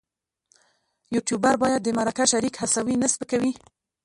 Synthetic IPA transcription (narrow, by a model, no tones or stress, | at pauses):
juʈjubaɾbɑjad̪̚ːəmaɾakaʃaɾikhasawinəsbəkawi